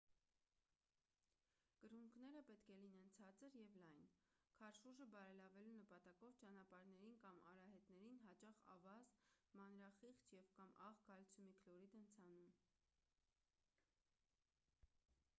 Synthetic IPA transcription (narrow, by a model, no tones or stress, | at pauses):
kəɾuŋkʰnɛɾəpɛt̪kʰɛlinɛnt͡sʰɑt͡səɾjɛvlɑjnkʰɑɾʃuʒəbɑɾɛlɑvɛlunəpɑt̪ɑkɔvt͡ʃɑn̪ɑpɑɾnɛɾinkɑmɑ̰ɾɑɦɛt̪nɛɾinɦɑt͡ʃɑχɑ̰vɑzmɑnɾɑχiχt͡ʃjɛvkɑmʔɑʁɡɑlt͡sʰumikʰlɔɾid̪ənt͡sʰɑnum